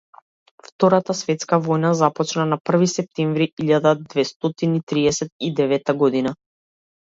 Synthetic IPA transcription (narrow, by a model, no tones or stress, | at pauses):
ft̪ɔɾat̪asvɛt̪skavɔjnazapɔt͡ʃnanapr̩visɛp̚t̪ɛɱvɾiiʎad̪ad̪vɛst̪ɔt̪init̪ɾiɛsɛt̪̚id̪ɛvɛt̪aɡɔd̪ina